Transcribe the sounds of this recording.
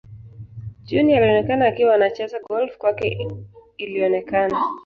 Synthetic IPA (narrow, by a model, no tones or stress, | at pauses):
d͡ʒunialiɔnɛkanaːkiwanat͡ʃɛzaɡɔlfkwakɛ | iliɔnɛkana